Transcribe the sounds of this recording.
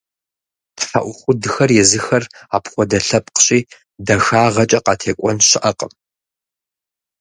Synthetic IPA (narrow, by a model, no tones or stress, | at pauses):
tfa̰ʔʷʊχʷʊdɨxɐrjɛzɨxɐraːpχʷɔdɐɬɐp̚qə̥ɕʼiː | dɐxaːʁɐt͡ʃʼɐqɑːtʰeːkʷʼɔnɕɪʔɐqʼəm